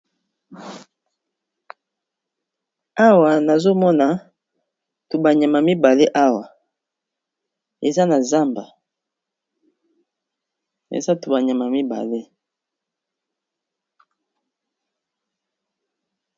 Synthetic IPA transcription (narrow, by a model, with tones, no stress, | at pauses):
a˦wa˨na˨zo˦mɔ˦na˨ | tu˨ba˨ɲa˨ma˨mi˦ba˨le˦ʔa˦wa˨ | e˨za˦na˨za˦mba˨ | ḛ˨za˦tu˨ba˨ɲ˨a˨ma˨mi˦ba̰˨le˦